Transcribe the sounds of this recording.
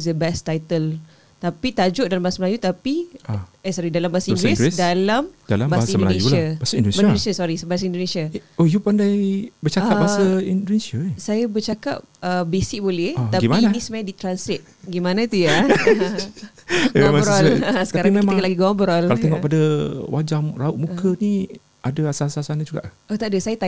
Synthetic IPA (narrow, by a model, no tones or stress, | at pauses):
sdəbɛst̪ajt̪əl | t̪apit̪ad͡ʒʊʔ̚dalambaasəməlajut̪apiɛsɔɾidalambaasaiŋɡɾɛsɡɛsdalamdalambabssimdəlaneuabasaindonemədonesasɔɾisbaas̬aindonesiaojupandajbət͡ʃaabaɦsaindonesasajabət͡ʃaka̰p̚əbesɪk̚bolɛhɔaɡimianianisəmajadit̪ɾansɛt̪̚ɡimanãt̪uja | memabɔlasə̥kkaɾaemaiŋkalaɡiɡɔmbɾɔlalat̪ɛŋɔʔpadawad͡ʒaŋraʊʔ̚mukʰəni | ʔadaasasasanad͡ʒuɡa̰ʔ | oht̪adasajat̪a